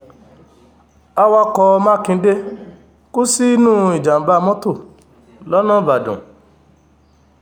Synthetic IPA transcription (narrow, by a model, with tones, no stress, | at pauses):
a˧wa˧kɔ˧mã˦kĩ˧˦de˦ | ko˦si˦nũ˦˨i˨d͡ʒa˨m̩˨ba˧mɔ̃˦to˦˨ | lɔ˦nã˦˨ba˨dṵ̃˨